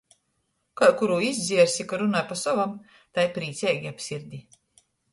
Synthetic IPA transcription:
kajkuɾuːizʲd̪zʲiɛɾsʲikaɾunajpasɔvam | t̪ajpɾiːt̪sɛːɡʲiapʲsʲiɾd̪ʲi

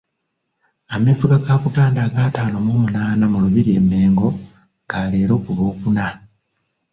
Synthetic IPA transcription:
amefuɡakaːkupaːndaːɡaːtaːno̞moːmunaːnamuluβiɾie̞mːe̞ːŋɡo̞ | kaːleːɾo̞ːkuβo̞ːkuna

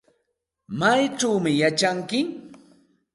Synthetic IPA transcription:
majʈ͡ʂawmɪjat͡ʃaŋkɪ

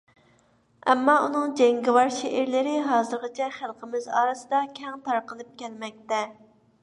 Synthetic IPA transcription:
ɛ̰mːɑʔunɨŋd͡ʒɛŋɡʲɪwɑɾʃeʔeɾlɪɾɪɦɑːzɨɾqɑt͡ʃʰɛχəlˠqʰəmɪzɑːɾɨsɨd̪ɑkʲʰɛŋt̪ʰɑɾqəlˠɨp̚kʲʰɛlmɛk̚ʲt̪ɛ

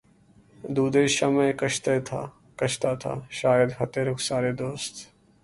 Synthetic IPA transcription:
d̪uːd̪eʃɐmẽkɐʃt̪et̪ʰaː | kɐʃt̪at̪ʰa̰ːʃaːjəd̪ɦɐt̪eɾʊksaːɾed̪oːst̪

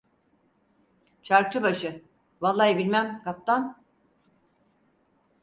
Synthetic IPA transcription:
t͡ʃʰaɾk̚t̪ʰɯbaʃɯ | valˠːajibilʲmæmkap̚t̪ʰan

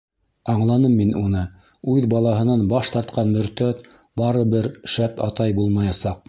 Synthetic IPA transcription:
ɑɴlˠɑnɤmːinʔunɤ | ʉðbɑlˠɑɦɤ̆nɑnbɑʃt̪ɑɾt̪qɑnmɵ̆ɾt̪æt̪ | bɑɾɤbɘɾʃæpɑ̰t̪ɑjbulˠmɑjɑsɑq̚

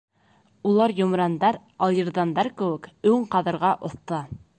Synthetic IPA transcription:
ulˠɑɾjŏmɾɑnd̪ɑɾ | ɑlˠjɤ̆ɾðɑnd̪ɑɾkɘ̆wɘ̆kʉɴqɑðɤ̆ɾʁɑʔŏθt̪ɤ

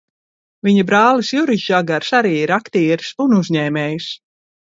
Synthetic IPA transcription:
viɲabɾaːlˠisjuɾiʃaɡaɾsaɾiːiɾakt̪iːɾsunuzɲɛːmʲɛːjis

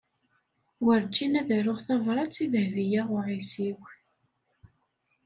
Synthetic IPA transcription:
wəɾt͡ʃːinæðæɾʊʁθɑvɾˤɑt͡sːiðəhvijaʁʊʕisiw

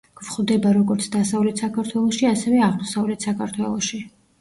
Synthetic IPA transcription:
ɡ̥vχvd̪ɛbaɾɔɡɔɾt̪sʰd̪asavlɛt̪ʰsakʰaɾt̪ʰwɛlˠɔʃiasɛvɛaʁmɔsavlɛt̪ʰsakʰaɾt̪ʰwɛlˠɔ̰ʃi

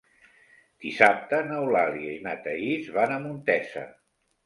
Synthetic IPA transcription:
d̪̥isap̚t̪ənəwlaliəimat̪əizβanəmunt̪ɛsə̰

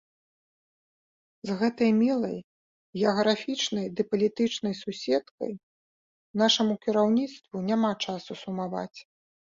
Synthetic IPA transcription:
zɣɛt̪ɐjmʲilˠɐj | ɣʲɛɐɣɾafʲit͡ʂnɐjd̪ɨpɐlʲit̪ɨt͡ʂn̪ɐjsusʲɛt̪kɐ̰j | naʂɐmukʲiɾawnʲit̪st̪vunʲamat͡ʂasusumava̰t͡sʲ

